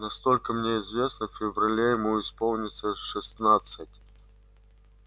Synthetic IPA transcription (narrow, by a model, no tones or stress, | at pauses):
nɐst̪o̞lʲkəmnʲeɪzvʲe̞snəfʲɪvrɐlʲejɪmuɪspolˠnʲɪt̪səʂɨst̪nat̪sɨtʲ